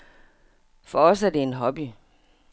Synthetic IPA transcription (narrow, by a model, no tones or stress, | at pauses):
fɒɒ̽sæɐd̥e̝enɦɒ̽b̥i